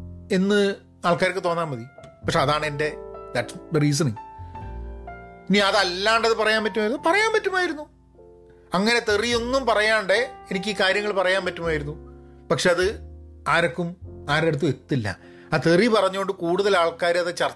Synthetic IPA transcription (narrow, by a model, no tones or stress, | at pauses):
e̞nːɨ | aːɭkaːɾikʲːɨt̪o̞ːnːaːmbɐðipɐkʂeɐðaːɳɨende̞d̪ɐʈsriːs̬ɐni | iniɐðɐlːaːɳɖɐðɨpɐrɐjaːmpɐtːumaːjiunːpɐrɐjaːmpɐtːumaːjiɾunːu | ɐŋːɐne̞t̪erijo̞nːumpɐrɐjaːɳɖeenikʲːiːkaːɾjɐŋːɐɭpɐrɐjaːnpɐtːumaːjiɾunːu | pɐkʂe̞ɐðɨaːɾo̞kːumaːɾeɽut̪̬ːue̞t̪ːilːɐ̰ | ɐt̪eripɐrɐɲːuɣoɳɖɨkuːɽuðɐlaːɭkaːɾɐðet͡ɕɐr